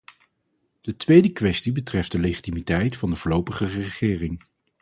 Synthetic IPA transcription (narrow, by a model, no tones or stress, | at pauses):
d̥ətʋejdəkʋɛstibətrɛfdəlejχitimitɛjtfɑndəvʊːɹlowpəχərəəχɪːrɪŋ